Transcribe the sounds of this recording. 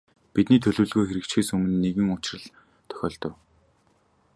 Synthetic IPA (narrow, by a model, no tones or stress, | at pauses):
pit̪niːt̪ʰɵɮŭːɮɣoːjxeɾɘ̆kt͡ɕxeːsɵmɵ̆nːeɣɘ̆ŋʊt͡ɕɪ̆rə̆ɮ | t̪ʰœ̥xʲɔ̰ːɬt̪ɞ̆w